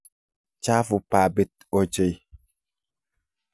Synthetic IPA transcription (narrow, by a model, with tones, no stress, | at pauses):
t͡ʃa˦fu˨pa˨be˦t̚ | ɔ˨d͡ʒə˨j